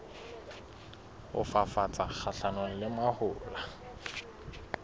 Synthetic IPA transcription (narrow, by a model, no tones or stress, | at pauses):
ʊ̰fafat͡sʼak͡xʰaɬanɔlɪmwahʊːla